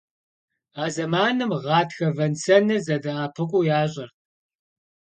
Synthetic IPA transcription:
aːzɐmaːnɨmʁɑːtxɐvɐnt͡sʰɐnɨzɐdɐaːpʰɨkʷʼʊjaːɕ̬ʼɐr

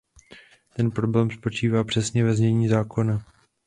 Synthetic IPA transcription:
t̪ɛnpɾo̞blɛːmspo̞t͡ʃiːvaːpr̝̥ɛsɲɛvɛzɲɛɲiːzaːko̞na

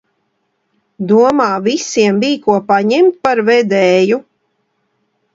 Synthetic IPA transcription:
d̪uɔmaːvisiɛmbiːkuɔpaɲɛmt̪̚paɾvɛd̪ɛːju

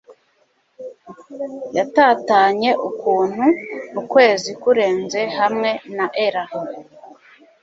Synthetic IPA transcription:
jataːtaːɲe̞ʔukuːn̥huukwe̞ːzikuɾe̞ːnze̞hamŋe̞naʔeɾaham

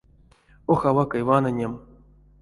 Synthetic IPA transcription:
oxavakajvanɨnʲem

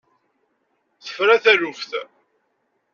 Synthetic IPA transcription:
θə̥fɾæθæɾufθ

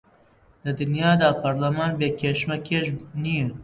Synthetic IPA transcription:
d̪̥ɨd̪ɨnjɑːd̪ɑːpʰɐɾlɐmɑːnbeːkʲʰeːʃmɛkʰeːʒniː

